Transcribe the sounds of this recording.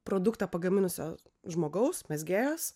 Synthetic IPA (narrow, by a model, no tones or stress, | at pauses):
pɾoːd̪ʊkt̪ɑːpɐɡɐmʲɪnʊsʲoː | ʒmoːɡɐʊsmʲɛzʲɡʲæːjoːs